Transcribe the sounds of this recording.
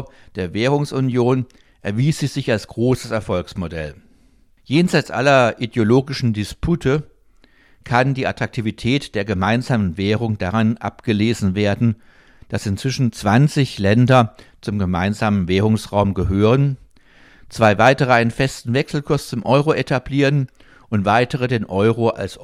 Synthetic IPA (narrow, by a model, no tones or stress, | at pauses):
d̥eːɐvɛːʁ̞ʊŋsʊnjoːn | ʔɛɐviːsz̥iːzɪçalsɡ̥ʁoːsəsɛɐfɔlksmodɛ̰l | jeːnzaɪt͡sʔa̰lɐʔideoloːɡɪʃn̩dɪspʰutʰə | kʰandiːʔatʁ̥ak̚tʰiːvitʰɛːtd̥eːɐɡəmaɪnzaːmənveːʁ̞ʊŋd̥aʁanʔa̰pɡ̥əleːzn̩veːɐdn̩ | d̥asɪnt͡sv̥ɪʃn̩t͡sv̥ant͡sɪçlɛndɐt͡sʊmɡəma̰ɪnzaːmənvɛːʁ̞ʊŋsʁaʊmɡəɦøːʁ̞ən | t͡sv̥aɪvaɪtəʁ̞əaɪnənfɛstn̩vɛksl̩kʰʊɐst͡sʊmʔɔʏʁoʔetʰabliːʁən | ʔʊntv̥aɪtəʁədeːnʔɔʏʁoʔa̰ls